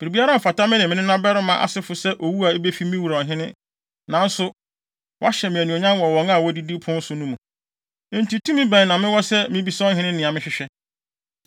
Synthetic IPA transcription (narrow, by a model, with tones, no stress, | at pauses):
b̥i˨ɾi˨bi˦a˦ɾa˦m̩˨fa˨ta˦mɪ̃˦nɪ̃˨mɪ̃˦nɪ̃˦nã˦bɛ˦ɾʊ˦mã˦ʔa̰˨sɪ˦fʊ˨sɛ˦ʔo˨wu˦a˨e˦be˦fi˦mĩ˦wu˨ɾɔ˨ɦɪ̃˦nɪ̰̃˦ | nã˨n̩˦sʊ˦ | wɔ̰˦a˦ɕɛ˨mɪ̃˨æ˨nũ˨o˨ɲã˦wɔ˨wɔ̃˨˦ŋa˦˨wɔ˦di˦di˦pʰʊ̃˦n̩˦sʊ˨˦nũ˦mũ˨˦ | n̩˦ti˨tʰũ˦mɪ̃˦bæ̃˨n˨nã˨mɪ̃˦wɔ˦sɛ˦mɪ̃˦bi˦sɔ̃˦ɦɪ̃˦nɪ̃˦nɪ̃˨a˨mɪ̃˦ɕᶣɪ˨ɕᶣɛ˦